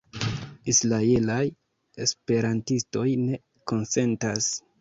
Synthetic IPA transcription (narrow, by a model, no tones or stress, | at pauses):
islaelaj | e̞spe̞ɾantisto̞jne̞ | ko̞nse̞ntas